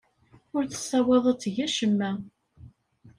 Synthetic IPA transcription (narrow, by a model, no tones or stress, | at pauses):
ʊɾθə̥sːæweðˤət͡sːʝæʃəmːæ